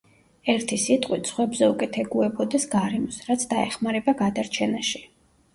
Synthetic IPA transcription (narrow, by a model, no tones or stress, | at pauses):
ɛɾt̪ʰisit̪ʼqʼwit̪sʰχwɛbzɛukʼɛt̪ʰɛɡuɛbɔd̪ɛsɡaɾɛmɔsɾat̪sʰd̪aɛχmaɾɛbaɡad̪aɾt͡ʃʰɛnaʃi